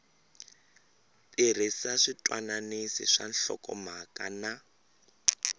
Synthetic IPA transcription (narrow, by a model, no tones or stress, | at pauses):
ter̤isaʂitʼwananisḭʂanɬɔ̰kʼɔmakʼana